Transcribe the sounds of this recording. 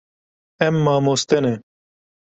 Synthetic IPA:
ɛmːaːmoːst̪ene

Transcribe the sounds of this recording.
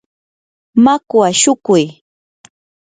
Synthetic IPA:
makwaʃʊkʊj

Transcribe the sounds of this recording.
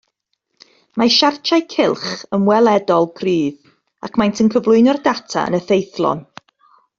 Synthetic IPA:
maʃart͡ʃʰajkʰɪlˠχəmwɛlˠɛdɔlˠɡʰriːð | akmajntʰənkʰəvlˠʊɨnɔrdatʰa̰ə̰nəθejθlˠɔ̰n

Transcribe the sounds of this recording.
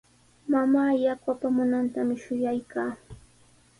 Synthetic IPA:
mamaːjakwapamʊnant̪amɪʃʊjajkaː

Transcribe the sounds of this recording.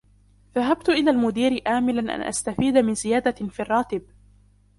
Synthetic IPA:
ðaɦab̚t̪ʊʔɪlaːlmʊd̪iːɾɪʔaːmɪla̰nʔa̰nʔa̰st̪afiːd̪amɪnzɪjaːd̪afirˤːɑːt̪ɪb̚

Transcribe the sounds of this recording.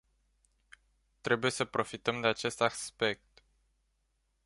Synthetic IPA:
t̪ɾe̞buje̞səpɾo̞fit̪əmd̪e̞at͡ʃe̞st̪aspe̞k̚t̪

